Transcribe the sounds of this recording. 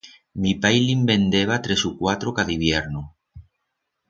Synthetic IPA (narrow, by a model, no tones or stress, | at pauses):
mipajlimbẽnd̪eβ̞at̪ɾesukwat̪ɾokaðiβ̞jeɾnu